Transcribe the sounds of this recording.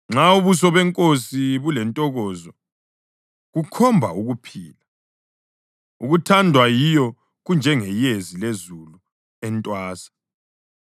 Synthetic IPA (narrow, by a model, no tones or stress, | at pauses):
ŋ͡ǁauβus̬ɔβɛŋkʼosiβulɛntʼɔɣɔːzɔ | ɣukʰɔmbʱa̰uɣupʰiːla | uɣutʰandʱwajijɔ | ɣund͡ʒʱɛŋɛjezilezulu | ɛntʼwaːsḁ